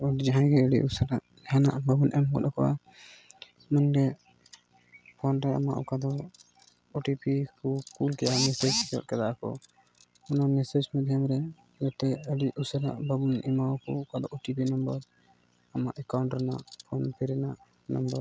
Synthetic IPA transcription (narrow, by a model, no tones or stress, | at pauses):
ɔɖd͡ʒaɦãɡɛəɖḭʔusəɾaʔ | hanaʔbabunʔɛmkɔ̰ɗ̪ɔkɔʔa̰ | manɡɛ | pʰɔnɾɛa̰ma̰ʔɔkad̪ɔ | ɔʈipikukulkɛʔamɛsɛd͡ʒikɔ̰ʔ̪̚kɛd̪aʔkɔ̰ | ɔnamɛsɛd͡ʒmɛd̪ʱjamɾɛ | ɡɛt̪ɛəɽiʔusəɾa̰ʔbabunimakɔ̰kad̪ɔʔɔʈipinɔmbəɾ | amaʔɛkawɳʈɾɛna̰ʔpʰɔnpʰɛɾɛnaʔ | na̰mbəɾ